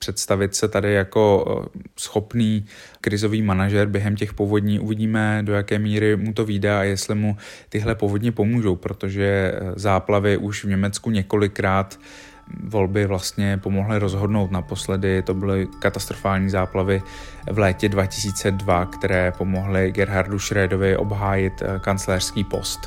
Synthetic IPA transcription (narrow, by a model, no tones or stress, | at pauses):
pr̥ɛt̪st̪avɪt̪sɛt̪adɪjako̞sxo̞pniː | kɾɪzo̞viːmanaʒɛɾbjɛɦɛmcɛxpovo̞dɲiːʔuvɪɟiːmɛdo̞jakɛːmiːɾɪmut̪̬o̞viːdɛajɛst̪lɪmut̪ɪɦlɛpovo̞dɲɛpo̞muːʒo̞wpɾo̞t̪o̞ʒɛzaːplavɪʔuʃvɲɛmɛt͡skuɲɛko̞lɪkɾaːt̪ | vo̞lbɪvlast̪ɲɛpo̞mo̞ɦlɪɾo̞zɦo̞dnowt̪napo̞slɛdɪt̪o̞bɪlɪkat̪ast̪ɾo̞faːlɲiːzaːplavɪvlɛːcɛdvacɪsiːt͡sɛdvakt̪ɛɾɛːpo̞mo̞ɦlɪɡɛɾɦaɾduʃɾɛːdo̞vɪʔo̞̰bɦaːjɪt̪kant͡slɛːr̥skiːpo̞̰st̪